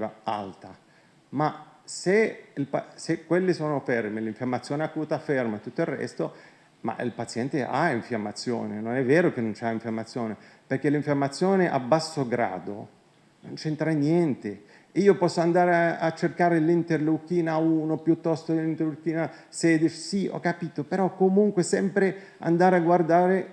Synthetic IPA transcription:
aa̰lt̪a | maseilpasekːwelːɪsoːnofɛrmɪliɱfamːat̪sːjoːneakːuːt̪afermat̪ːut̪ːoirːɛ̰st̪o | ma̰ḭlpat̪sjɛnt̪eʔa̰iɱfjamːat̪sːjo̰ːnenonɛvːɛːɾok̟enːont͡ʃaiɱfjamːat̪sːjoːne | perkelːiɱfjamːat̪sːjoːneʔa̰bːasːoɡɾa̰ːd̪o̰ | nont͡ʃɛnt̪ɾajnjɛnt̪e | iːopɔsːoand̪aːɾeat͡ʃːerkaːɾelint̪erlukiːnauːnopjut̪ːɔst̪olint̪erlukiːnasɛːd̪et͡ʃsiɔ̰kːapiːt̪opeɾɔkːomuŋkwesɛmpɾe | a̰nd̪aːɾeaɡward̪aːɾe

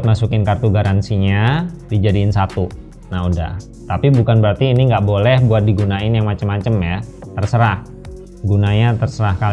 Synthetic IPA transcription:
t̪̚masukɪnkart̪uɡaɾansiɲadid͡ʒadiːnsat̪u | naɦuda̰h | t̪apibukanbəɾart̪iːniŋɡaʔbolɛhbuat̪̚diɡunaɪnjaŋmat͡ʃəmːat͡ʃəmja | t̪ərsəɾah | ɡunaɲat̪ərsəɾahkal

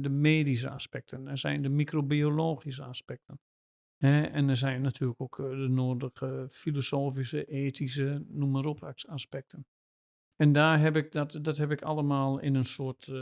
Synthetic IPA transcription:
dəmeːdis̬əa̰spɛk̚tʰənɛsɛ̰jndəmikrobioloːɣis̬əaspɛk̚tən | hɛɛnɛs̬ɛjnːatʰyːələkokʰdənoːrdəɣəfilosoːfisəʔeːtʰis̬ənuməɾopʰaksaspɛk̚tʰən | ɛndaːɦɛpɪk̚dɔtdɔthɛpɪkʰalˠəmaːlˠɪ̰nənsoət

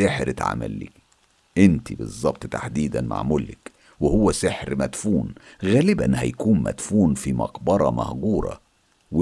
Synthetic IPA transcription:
eħɾɪt̪ʕa̰mæ̰lːiː | ʔɪnt̪ibɨzˤːɑb̚t̪t̪aħd̪iːd̪ænma̰ʕmʊlːɪk | wehowːæseħɾmæt̪fuːnɣæːlɪbænhæ̰jkuːnmæ̰t̪fuːnfimɑqbɑɾˤɑmɑhɡuːɾˤɑ̰ | w

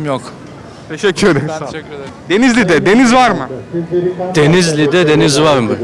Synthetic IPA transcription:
mjok | t̪ʰeʃɛcʰːyɾd̪eɾ | d̪e̞nizlʲid̪ɛd̪e̞nizvaɾmɯ | d̪̥enizlʲid̪ɛd̪enizvaɾmɯ

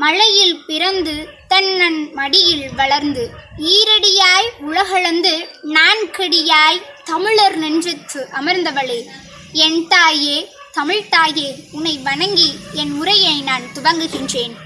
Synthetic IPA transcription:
mɐɻɐjɪlpɪɾɐnd̪ɯt̪ɐnːɐnmɐɽɪjɪlʋɐɭɐɾnd̪ɯiːɾɐɽɪjaːjʊɻɐɣɐɭɐnd̪ɯnaːnkɪɽɪjaːjt̪ɐmɪɭɐɾnɛndrɪt̪ːɯʔɐmɐɾnd̪ɐʋɐɭɯ | ɛnt̪aːjeː | t̪ɐmɪɻt̪aːjeːʊnɐɪʋɐɳɐŋɡiɛnmʊɾɐjɐɪnaːnt̪ʊʋɐŋɡɯɣɪndreːn

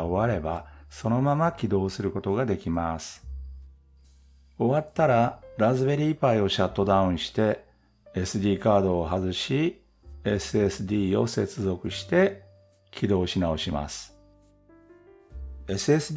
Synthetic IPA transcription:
oβaɾe̞baso̞no̞mamakʲid̪o̞ːsɨɾɯ̟ko̞t̪o̞ɡad̪e̞kʲimasɨ̥ | o̞βat̪ːaɾaɾazɨβe̞ɾʲiːpaio̞ɕat̪ːo̞d̪aɯ̃ɕi̥t̪e̞ | esɨd̪ʲiːkaːd̪o̞ːɦazɨɕi | e̞sɨesɨd̪ʲiːo̞se̞t͡sɨzo̞kɯ̟ɕi̥t̪e̞ | kʲʰid̪o̞ːɕinao̞ɕima̰sɨ̥ | e̞sɨe̞sɨd

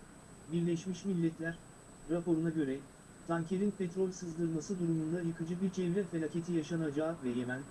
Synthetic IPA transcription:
biɾlʲɛʃmiʃmilʲːɛt̪ʰlʲæɾ̥ | ɾapo̞ɾunaɟø̞ɾɛ | t̪ʰaŋcʰe̞ɾinpʰet̪ɾo̞lʲsɯzd̪ɯɾmasɯd̪uɾumund̪ajɯkɯd͡ʒɯbiɾt͡ʃʰɛvɾʲɛfeacʰe̞t̪ʰijaʃanad͡ʒaːvɛjemænʲ

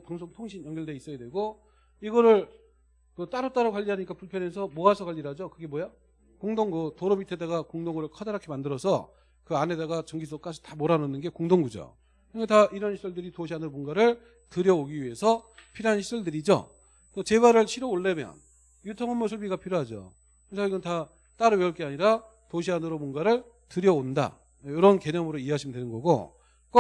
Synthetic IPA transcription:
paŋsʰoŋtʰoŋɕʰinjʌŋɡʌɭdeis͈ʌjadwe̞ɡo | iɡʌɾɯɭ | kot͈aɾot͈aɾakwaʎːiɦaɲik͈apuɭpʰjʌne̞sʰʌmoasʰʌkwaʎːiɾad͡ʑokɯɡe̞mwoja | koŋdoŋɡutoɾomitʰedaɡakoŋdoŋɯɾɯɭkʰʌdaɾakʰemandɯɾʌsʰʌ | kɯane̞daɡat͡ɕʌŋɡis̬ʰok͈ad͡ʑʰi̥tamoɾanɯnɯnɡe̞koŋdoŋɡud͡ʑo̰ | kɯɡetaʔiɾʌnɕʰi̥sʰɯɭdɯɾitoɕʰiɦanɯnmonɡaɾɯɭ | tɯɾjʌoɡiɥie̞sʰʌ | pʰiɾɦanɕʰi̥sʰʌɭdɯɾid͡ʑo̰ | t͈ot͡ɕe̞βaɾɯɭɕʰiɾoːɭːemjʌ̰n | jutʰʌŋɯnmːosʰuɭbiɡapʰiɾjoɦad͡ʑo̰ | kesʰʌiɡʌnta | t͈aɾɯweʌɭk͈eaɲiɾa | toɕʰianɯɾomonɡaɾɯɭ | tɯɾjʌonda̰ | joɾʌnke̞ɲʌmɯɾoiɦad͡ʑʰimdwe̞nɯnɡʌɡo̰ | k͈ʌ

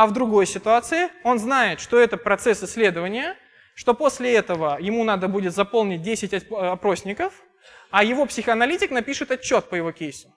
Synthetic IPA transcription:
ɐvd̪ɾʊɡo̞jsʲɪt̪ʊat̪sɨɪo̞nznajɪt̪ʂt̪o̞ɛt̪əpɾɐt̪sɛsɪsʲːlʲe̞d̪əvənʲɪjə | ʂt̪o̞po̞sʲlʲɪɛt̪əvəjɪmunad̪əbudʲɪt̪zɐpo̞lˠnʲɪt̚ʲdʲesʲɪtʲɐɐpɾo̞sʲnʲɪkəf | ajɪvo̞psʲɪxəɐnɐlʲitʲɪknɐpʲiʂɨt̪ɐt͡ɕːo̞t̪̚pəjɪvo̞kʲejsʊ̥

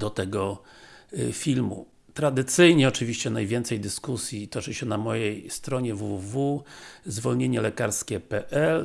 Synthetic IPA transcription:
d̪̥ɔt̪ɛɡɔ | fʲilmṵ | t̪ɾad̪ɘt̪sɘjɲɛɔt͡ʂɘvʲiɕt͡ɕɛnajvʲjɛnt̪sɛjd̪ɘskusʲjit̪ɔt͡ʂɘɕɛnamɔjejst̪ɾɔɲɛvuvuvuzvɔlɲeɲɛlɛkaɾskʲɛpɛʔɛl

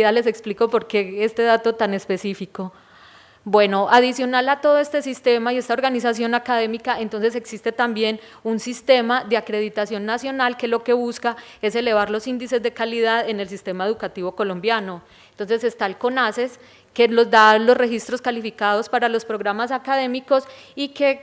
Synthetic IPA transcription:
ale̞se̞kspliko̞po̞ɾke̞est̪e̞ðat̪o̞t̪ane̞spe̞sifiko̞ | bwe̞no̞ʔaðisjo̞nalat̪o̞ðoe̞st̪esist̪e̞maie̞st̪ao̞ɾɡanisasjo̞nakað̞e̞mikaent̪o̞nse̞s̬e̞ksist̪e̞t̪ambje̞n | unsist̪e̞maðeakɾe̞ð̞it̪asjo̞nːasjo̞nalke̞lo̞ke̞βuskae̞se̞le̞β̞aɾlo̞sind̪ise̞zd̪e̞kaliðaðe̞ne̞lsist̪e̞mae̞ðukat̪iβo̞ko̞lombjano | ent̪o̞ns̬e̞se̞st̪alko̞nase̞s | ke̞lo̞zd̪alo̞sre̞xist̪ɾo̞skalifikað̞o̞spaɾalo̞spɾo̞ɣɾamasakaðe̞miko̞s | ike̞

